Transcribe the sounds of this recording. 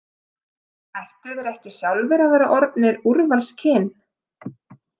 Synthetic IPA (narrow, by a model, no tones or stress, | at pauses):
ajht̪ɪðɾɛjht̪ɪ̥sjawlvɛɾavɛːɾaʔɔɾt̪nɪɾuɾvanscʰɪːn